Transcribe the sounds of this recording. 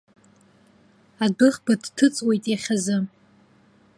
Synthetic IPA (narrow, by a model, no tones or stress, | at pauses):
adɨχbadtʰɨt͡sʼwe̞jtʼeχʲazɨ